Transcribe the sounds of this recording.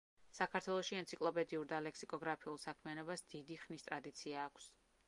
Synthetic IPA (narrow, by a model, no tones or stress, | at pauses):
sakʰaɾt̪ʰwɛlˠɔʃiɛnt̪sʰikʼlˠɔpʼɛd̪iuɾd̪alɛksikʼɔɡɾapʰiulˠsakʰmianɔbasd̪id̪iχnist̪ʼɾad̪it̪sʰiaːkʰs